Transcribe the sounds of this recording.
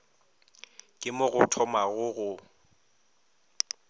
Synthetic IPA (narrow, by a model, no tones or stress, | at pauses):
kʼɪmʊɣʊtʰɔmaɣʊɣʊ